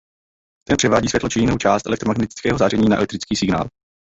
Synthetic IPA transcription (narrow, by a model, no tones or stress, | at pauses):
t̪ɛnpr̥ɛvaːɟiːsvjɛtlot͡ʃɪjɪnowt͡ʃaːst̪ʔɛlɛkt̪ɾomaɡnɛt̪ɪ̥t͡skɛːɦozaːrɛɲiːnaʔɛ̰lɛk̚t̪ɾɪt͡skiːsɪɡna̰ːl